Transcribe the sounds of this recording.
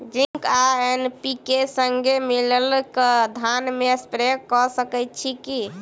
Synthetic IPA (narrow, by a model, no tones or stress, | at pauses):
d͡ʒiŋkaenpikesəŋɡemiləlkd̪ʱanmespɾekɔsəkɛt̪̚t͡ʃʰiki